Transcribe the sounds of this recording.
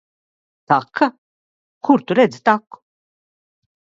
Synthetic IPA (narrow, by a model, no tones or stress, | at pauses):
t̪akʰːa | kʰuɾt̪uɾɛd̪zt̪akːu̥